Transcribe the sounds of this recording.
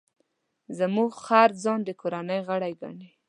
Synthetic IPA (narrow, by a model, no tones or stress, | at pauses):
zəmuɡxaɾd͡zɑnd̪əkʰoɾanəjɣəɽajɡa̰ɳe